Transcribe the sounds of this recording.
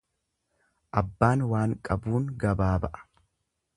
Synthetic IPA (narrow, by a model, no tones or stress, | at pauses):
ʔɐbːaːnwaːŋkʼɐbuːŋɡɐbaːbɐʔɐ̥